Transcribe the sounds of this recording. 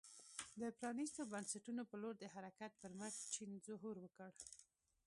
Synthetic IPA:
d̪əpɾɑnist̪obansaʈunopəloɾd̪əhaɾakat̪̚pəɾməxt͡ʃinzʊɦuɾwəkəɽ

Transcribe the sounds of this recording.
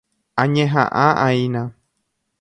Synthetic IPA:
ãɲẽɦã̰ʔãʔainã

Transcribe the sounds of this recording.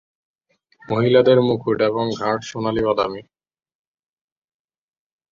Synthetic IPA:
moɦilad̪eɾmukʰuʈeβoŋɡʱaʈʃonaliβad̪ami

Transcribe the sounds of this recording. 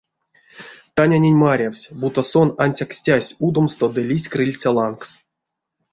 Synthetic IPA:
t̪anʲanʲenʲmaɾʲawsʲbut̪osonanʲsʲaksʲtʲasʲud̪omst̪od̪ɨlʲisʲkrɨlʲt͡sʲalˠanks

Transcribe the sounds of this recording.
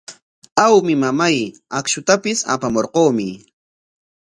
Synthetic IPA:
awmɪmamajakʃʊt̪apɪsa̰pamoɾqoːmɪ

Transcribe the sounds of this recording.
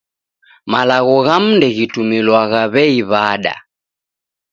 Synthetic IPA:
malaɣɔɣam̩ndɛɣitumilwaɣaβɛiβaɗa̰

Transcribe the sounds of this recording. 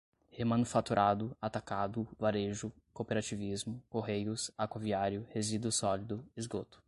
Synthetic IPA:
hemɐ̃nufat̪uɾʔad̪ʊat̪akad̪ʊvaɾeʒʊ | kopeɾat͡ʃivizmʊkoɦejʊsakaviaɾjʊhezid̪ʊsɔlid̪ʊizɡot̪ʊ̥

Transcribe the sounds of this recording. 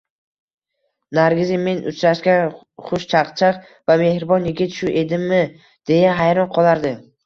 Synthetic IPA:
naɾɡʲɪzɪme̞nʊt͡ʃɾaʃɡʲan | χʊʃt͡ʃʰaqt͡ʃʰɑq | vame̞hɾbɒnjɪɡʲɪt̪ʃʊʔe̞d̪ɪmːɪ | d̪̥e̞jaɦajɾɒnqʰɒlˠaɾd̪ɪ

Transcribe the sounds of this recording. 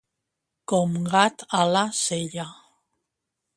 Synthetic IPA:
komɡat̪alaseʎa

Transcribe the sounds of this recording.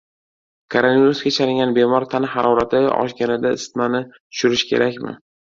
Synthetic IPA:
kʰoɾonviɾusɡʲat͡ʃʰaɾɪŋɡʲanbemɒɾt̪ʰanɪhaɾʔɒɾat̪ʰɪɒ̰ʃɡʲanɪd̪aɪst̪manɪt̪ʰʊ̥ʃʊɾɪʃkʲʰe̞ɾakʲmɪ̰

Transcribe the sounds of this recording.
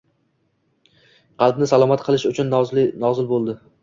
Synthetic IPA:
qʰɑlˠbnɪsalˠɒmat̪qʰɨlˠɪʃʊt͡ʃʰʊnnɒzɪlbolˠd̪ɪ

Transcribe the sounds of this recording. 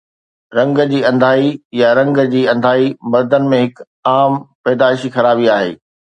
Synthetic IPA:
ɾɐ̃ŋɡd͡ʑiːɐ̃nd̪ʱaːijaɾɐ̃ŋɡd͡ʑiːɐ̃nd̪ʱaːimɐɾd̪ənɪ̆mẽɦɪk | aːmpɛːd̪aːʃixɐɾaːbiaːɦḛː

